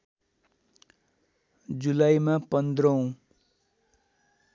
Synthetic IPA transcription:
d͡zulajmapʌnd̪rʌũ

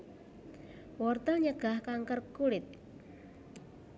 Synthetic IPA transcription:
wɔrt̪əɲəɡ̥ahkaŋkərkuɽɪt̪̚

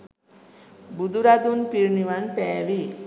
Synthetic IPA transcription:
bud̪uɾad̪unpiɾniʋanpɛːʋi

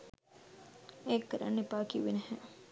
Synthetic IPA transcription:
ekːəɾə̰nːepaːkiʋenəhɛ̃

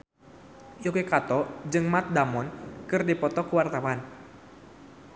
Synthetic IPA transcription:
jokekat̪ɔd͡ʒɨŋmat̪̚damɔnkɨrdipɔt̪ɔkuwart̪awan

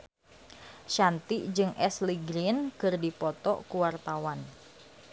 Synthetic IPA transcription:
ʃant̪iʔd͡ʒɨŋɛsliɡɾinkɨrdipɔt̪ɔkuwart̪awan

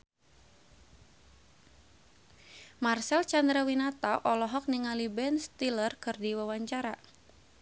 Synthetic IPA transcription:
marsɛlt͡ʃand̪ɾawinat̪aʔɔlɔɦɔk̚niŋalibɛnst̪ilərkɨrdiwawaɲt͡ʃaɾa

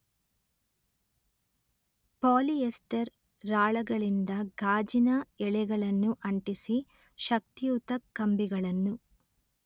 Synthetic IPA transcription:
paːliesʈɐɾː | aːɭɐɡɐɭind̪ɐɡaːd͡ʒinɐɛɭɛɡɐɭɐnːuʔɐɳʈisi | ʃɐk̚t̪ijuːt̪ɐkːɐmbiɡɐɭɐnːu

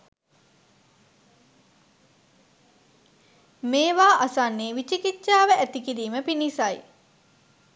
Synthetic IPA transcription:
meːʋaːʔasanːeːʋit͡ʃikit͡ʃːʃaːʋəæt̪ikiɾiːməpinisaj

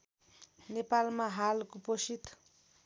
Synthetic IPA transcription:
nepalmaɦalkoposit̪

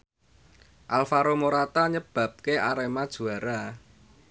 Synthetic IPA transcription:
ʔalfaɾomoɾat̪aɲəb̥ä̤p̚keaɾemad̥ʒ̥ṳaɾa

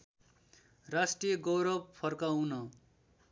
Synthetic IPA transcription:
rasʈrijʌɡʌwɾʌbpʰʌrkawnʌ

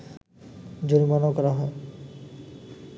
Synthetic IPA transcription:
d͡ʑuɾmanokɔɾaɦɔe

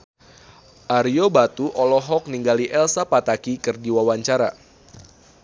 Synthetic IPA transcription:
ʔaɾiobat̪uʔɔlɔɦɔk̚niŋɡaliʔɛlsapat̪akikɨrdiwawaɲt͡ʃaɾa

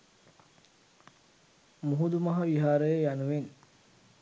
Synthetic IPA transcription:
muɦud̪umɐɦɐʋiɦaːɾəjəjanuʋen

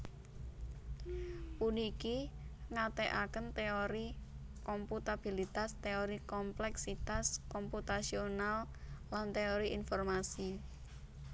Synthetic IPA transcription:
punikiŋat̪eʔakənt̪eoɾi | kɔmput̪ab̥ilit̪ast̪eoɾikɔmplɛksit̪askɔmput̪asionallant̪eoɾiʔinfɔrmasi

